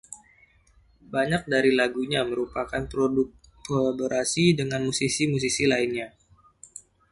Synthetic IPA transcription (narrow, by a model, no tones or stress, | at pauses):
baɲak̚daɾilaɡuɲaməɾupakanpo | kolaboɾasidəŋanmusisimus̬isilainɲa